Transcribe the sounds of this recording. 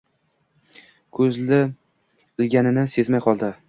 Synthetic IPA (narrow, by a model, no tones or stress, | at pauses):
kʰɵzlɪ | ɪlɡʲanɪnɪse̞zmajqʰɒlˠd̪ɪ